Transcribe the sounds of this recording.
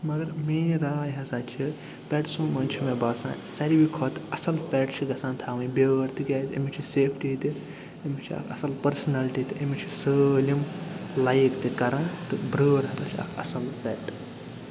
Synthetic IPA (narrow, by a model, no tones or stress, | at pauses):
mɐɡɐɾmeːɾaːjɦɐsaːt͡ʃʰi | pʲɛʈsoːmɐnʲt͡ʃʰimẽbaːsã̰ːsɐɾiʋikʰot̪ɐsɐlpʲɛʈt͡ʃʰiɡɐsãːnt̪ʰaːʋɨ̃ibeɾt̪iɡʲaːzʲḛmit͡ʃʰiseːpʰʈiːd̪i | emit͡ʃʰiɐ̰kʰɐsɐlpɐɾsɐnalʈit̪ɨemit͡ʃʰisəːlʲimlajkt̪ikɐɾãːt̪ɨbɾəːɾɦɐsaːt͡ʃʰiɐ̰kʰɐ̰sɐlpʲɛʈɨ